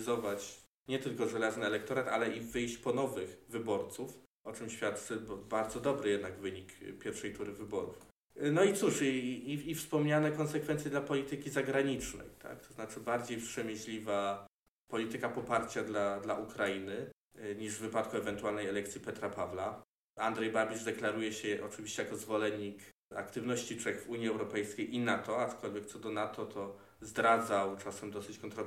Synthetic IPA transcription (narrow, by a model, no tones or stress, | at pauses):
zɔvat͡ɕ | ɲɛt̪ɘlkɔʐɛlaznɘɛlɛkt̪ɔɾat̪a̰lɛivɘjɕt͡ɕpɔnɔvɘxvɘbɔɾt̪suf | ɔt͡ʂɘmɕfʲjat̪ːbbaɾd̪zɔd̪ɔbɾɘjɛd̪naɡvɘɲikpʲjɛɾfʂɛjt̪uɾɘvɘbɔɾṵf | nɔit̪suʂiiːfspɔmɲanɛkɔnsɛkfɛnt̪sjɛd̪lapɔlʲit̪ɘkʲizaɡɾaɲit͡ʂnɛ̰jt̪ʰa̰k̚t̪ɔznat͡ʂɘbaɾd͡ʑejpʂɛmʲɘɕlʲiva | pɔlʲit̪ɘkapɔpaɾt͡ɕad̪lad̪laʔukɾainɘ | ɲiʐvɘpat̪kuɛvɛnt̪ualnɛjɛlɛk̚t̪sʲjipɛt̪ɾapavla | and̪ʐɛjbabʲiʐd̪ɛklaɾujɛɕɛʔɔt͡ʂɘvʲiɕt͡ɕɛjakɔzvɔlɛɲːika̰kt̪ɘvnɔɕt͡ɕit͡ʂɛxvuɲjiɛwɾɔpɛjskʲejʔinat̪ɔat͡ʂkʰɔlvʲjɛk̚t̪sɔd̪ɔnat̪ɔt̪ʰɔ | zd̪ɾad̪zawt͡ʂasɛmd̪ɔsɘt͡ɕkɔnt̪ɾɔ